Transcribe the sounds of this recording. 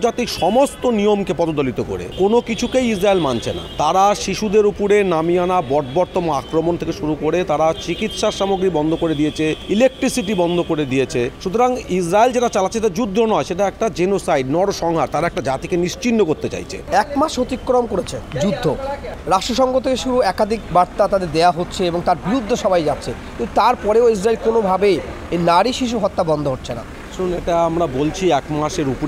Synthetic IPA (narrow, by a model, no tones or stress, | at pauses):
d͡ʑat̪ikʃɔmost̪onijomkepɔd̪od̪olit̪oko̰ɾḛkonokit͡ɕʰukejisɾaelmant͡ɕʰena̰t̪aɾaʃiʃud̪eɾupuɾenamianabɔɾʈ̪bɔɾt̪omoakɾomont̪ʰekeʃuɾukoɾet̪aɾat͡ɕikit̪ʃaɾʃamoɡɾibɔnd̪ʱokoɾed̪ijet͡ɕʰeilek̚ʈɾisiʈibɔnd̪ʱokoɾed̪ijet͡ɕʰeʃut̪oɾaŋisɾaeld͡ʑeʈat͡ɕalaːt͡ɕʰeet̪ad͡ʑud̪ʱːonɔeʃeʈaɛk̚ʈad͡ʑenosajɖnɔɽoʃɔŋɦaɾt̪aɾaɛk̚ʈad͡ʑat̪ikeniʃt͡ɕinːokoɾt̪et͡ɕa̰jt͡ɕʰḛɛkmaʃot̪ikːɾomkoɾet͡ɕʰed͡ʑud̪ʱːoɾaʃʈɾoʃɔŋɡot̪ʰekeʃuɾuɛkad̪ʱikbaɾt̪at̪ad̪eɾd̪eaɦotːɕʰeeboŋt̪aɾbiɾud̪ʱːoʃɔbʱajd͡ʑatːɕʰekint̪ut̪aɾpɔɾeois̬ɾaelkonobʱabe | enaɾiʃiʃ̬uɦɔt̪ːabɔnd̪ʱoɦoʈːt͡ɕʰena̰ | ʃununeʈaamɾabolt͡ɕʰiɛkmaʃeɾup